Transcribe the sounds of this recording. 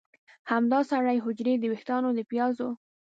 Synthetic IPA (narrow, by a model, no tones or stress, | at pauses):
hamd̪ɑsaɽajɦʊd͡ʒɾed̪əweht̪ɑnod̪əpjɑzo